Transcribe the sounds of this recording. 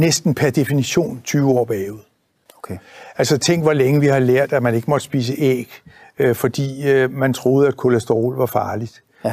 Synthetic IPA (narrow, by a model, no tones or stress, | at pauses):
nesd̥n̩pʰæɐd̥e̝finiɕo̝̰ːnt͡sʰyːʊəɒ̰ːb̥ɛuð̩ˠ | ælsət͡sʰe̝ŋ̰ɡ̥ʋɒleŋəʋihɑ̈leɐ̰d̥æmæne̝ɡ̥əmɒ̽d̥əsb̥iːs̬əʔḛːɡ̥øfɒ̽d̥ḭːømænt͡sʰʁo̝ːð̞ˠəæd̥̚kʰo̝lesd̥əʁo̰ːlʋɑ̈fɑ̈ːlid̥